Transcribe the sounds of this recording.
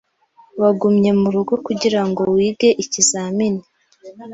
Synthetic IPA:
waɡumɲe̞muɾuɡo̞kuɟiɾaŋɡo̞wiːbɡe̞ʔicizaːmini

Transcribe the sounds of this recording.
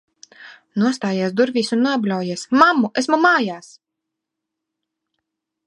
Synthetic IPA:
nuɔst̪aːjiɛsd̪uɾvʲiːsunːuablʲawjiɛsmamuʔesmumaːjaːs

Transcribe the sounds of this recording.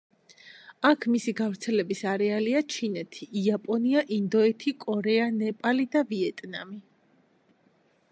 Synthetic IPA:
akʰmisiɡavɾt̪sʰɛlɛbisaɾɛaliat͡ʃʰinɛt̪ʰiʔːapʼɔniaʔind̪ɔɛt̪ʰikʼɔɾɛanɛpʼalid̪aviɛt̪ʼnami

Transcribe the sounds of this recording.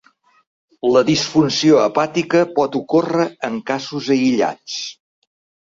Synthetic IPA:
ləðisfunsioəpat̪ikəpɔt̪ukorəəŋkazuzəiʎa̰t͡s

